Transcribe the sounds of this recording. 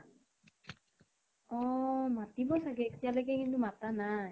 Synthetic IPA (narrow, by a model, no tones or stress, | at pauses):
ɔmat̪ibɔsaɡɛt̪ijalɛɡɛkint̪umatanaj